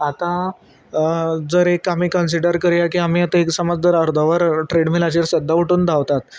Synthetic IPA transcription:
at̪ã | d͡zəɾekamiːkəns̬iɖəɾkəɾjakiːam̤ijat̪əeksəmad͡zd͡zəɾəɾd̪ʱəʋəɾʈɾeɽmilat͡ɕiɾsəd̪ʱːaʋəʈuːnd̪ʱaʋt̪at̪

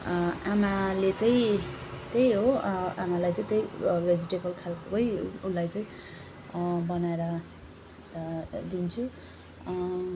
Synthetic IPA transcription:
amalet͡saĩt̪ejɦoʔamalajt͡saĩt̪ejred͡ziʈebʌlkʰalkoʌjulajt͡saĩ | bʌnaeɾʌ | d̪int͡sʰu

